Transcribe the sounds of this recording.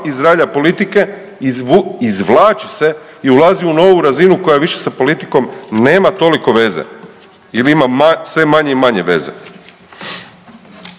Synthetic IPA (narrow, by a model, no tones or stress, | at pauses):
izɾaʎapo̞lit̪ike̞ | izʋlaːt͡ʃise̞ | iulˠaziuno̞ʋuɾazinuko̞jaʋiʃe̞̥sapo̞lit̪i̥ko̞mne̞ːmat̪o̞liko̞ʋe̞zḛ | iliimamasʋe̞maɲeimaɲe̞ʋe̞̰zḛ